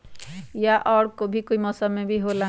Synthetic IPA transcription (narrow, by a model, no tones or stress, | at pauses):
jaʔɔːɽkobʱikoːimɔːsəmːẽbʱiɦola